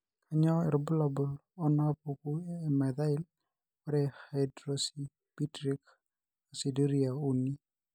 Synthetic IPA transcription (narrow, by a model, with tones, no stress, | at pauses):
kʰaɲɔ˦ɛ̰˨ɾɔbu˦labulɔ˦na˦puku˦ɛ˨mɛd̪a˦ɪl | ɔɾɛhajdɾɔsi | pi˦tɾik | o˨si˨di˦ɾia˨u˦ni˦